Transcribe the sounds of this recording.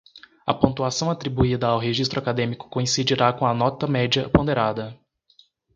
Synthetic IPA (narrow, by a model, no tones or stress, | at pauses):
ɐ̰põt̪uasɐ̃w̃at̪ɾibuid̪ɐawɦeʒist̪ɾʊakad̪ẽmikʊ̥kõĩsid͡ʒiɾakõɐnɔt̪ɐmɛd͡ʒɐpõnd̪eɾad̪ɐ